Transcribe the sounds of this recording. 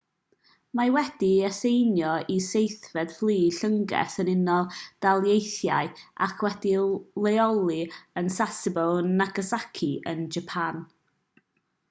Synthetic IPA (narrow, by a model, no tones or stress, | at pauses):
mawɛd̥iɛsejnjɔisejθvɛdflˠiːɬəŋɡɛ̰sənɪnɔlˠd̥alˠjejθjaɨʔa̰kʰwɛdilˠeɔlˠiənsasɪbəlˠnaɡəsakʰiənd͡ʒapʰan